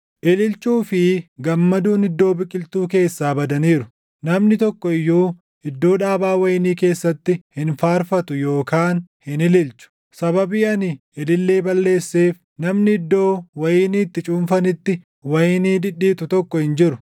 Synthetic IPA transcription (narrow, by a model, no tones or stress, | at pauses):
ʔɪlɪlt͡ʃuːfɪɡɐmːɐd̪uːnɪd̪ːo̞ːbɪkʼːɪlt̪uːke̞ːsːaːbɐd̪ɐniːɾʊ | nɐmnɪt̪ɔkːɔɪjːuː | ɪd̪ːo̞ːᶑaːbaːwɐjɪniːke̞ːsːɐt̪ːɪhɪnfaːɾfɐt̪ʊjo̞ːkaːnhɪnɪlɪlt͡ʃʊ̥ | sɐbɐbiːɐnɪ | ɪlɪlːe̞ːbɐlːe̞ːsːe̞ːf | nɐmnɪɪd̪ːo̞ːwɐjɪniːt̪ːɪt͡ʃʼuːnfɐnɪt̪ːɪ | wɐjɪniːd̪ɪᶑːiːt̪ʊt̪ɔkːɔhɪnd͡ʒɪɾʊ